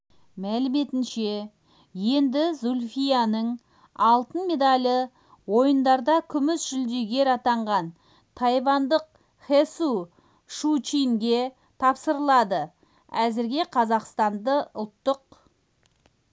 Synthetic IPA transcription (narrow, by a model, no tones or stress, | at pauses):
mælɪme̞t̪ɪnʃe̞ | je̞nd̪ɪzulʲfijanəɴ | ɑlˠt̪ənme̞d̪alʲə | wo̞jənd̪ɑɾd̪ɑkʲʰʏmɪsʒʏld̪e̞ɡʲe̞ɾɑt̪ɑɴʁɑn | t̪ʰɑjvɑnd̪əq̚ | χesu | ʃut͡ʃiŋɡʲe̞ | t̪ʰɑpsəɾəlˠɑd̪ə | æzɪɾɡʲe̞qʰɑzɑqst̪ɑnd̪əʊlˠt̪ːʊq̚